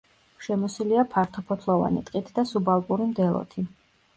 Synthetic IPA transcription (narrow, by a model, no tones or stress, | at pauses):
ʃɛmɔsiliapʰaɾt̪ʰɔpʰɔt̪ʰlˠɔva̰nit̪ʼqʼit̪ʰd̪asubalˠkʼuɾimd̪ɛlˠɔ̰t̪ʰi